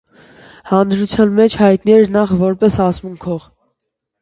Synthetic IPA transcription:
hɑnd̪ɾut͡sʰjɑnmɛt͡ʃʰhɑjt̪niɛɾnɑχvɔɾpɛsɑsmuŋkʰɔʁ

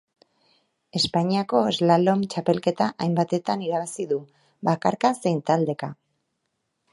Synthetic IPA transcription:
e̞spaɲiako̞ezlalo̞mt͡ʃape̞lke̞t̪aʔajmbat̪e̞t̪aniɾaβasiðu | βakaɾkase̞jnt̪ald̪e̞ka

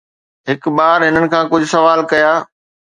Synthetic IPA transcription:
ɦɪkɓaːɾɦɪnənɪ̆kʰãːkʊd͡ʑʱʊsɐʋaːlkɐjaː

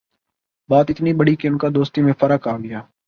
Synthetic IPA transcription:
baːt̪ɪt̪niːbəɽiːkeʊnkad̪oːst̪iːmẽfʰəɾəkaːɡɪjaː

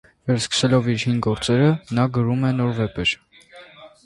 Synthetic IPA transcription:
vɛɾskə̥sɛlɔviɾhinɡɔɾt͡sɛɾənɑɡəɾumɛnɔɾvɛpɛɾ

